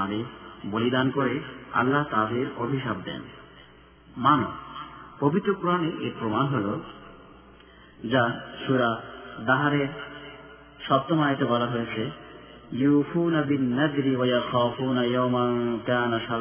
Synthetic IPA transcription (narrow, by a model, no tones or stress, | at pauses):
ad̪eɾbolid̪ankoɾea̰lːaɦt̪ad̪eɾobʱiʃab̚d̪ɛ̰n | mano̰pobit̪ːɾokuɾaneʔeɾpɾomanɦolo | d͡ʑaʃuɾad̪aɦaɾeɾ | ʃɔb̚t̪omajet̪ebɔlaɦojet͡ɕʰe | juːfuːnabinːad̪ɾiwajaxaːfuːnajawmankaːnaʃa